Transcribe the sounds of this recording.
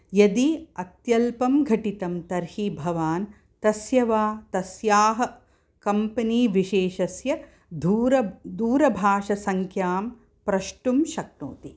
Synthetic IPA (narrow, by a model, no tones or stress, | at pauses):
jɐd̪iɐt̪jɐlpɐmɡʱɐʈit̪ɐmt̪ɐɾhibʱɐʋaːn | t̪ɐsjɐʋaːt̪ɐsjaːɦɐ̆ | kɐmpɐniːʋiʃeːʃɐsjɐ | d̪uɾɐd̪uːɾɐbʱaːʃɐsɐŋkʰjaːm | pɾɐʃʈumʃɐk̚no̰ːt̪i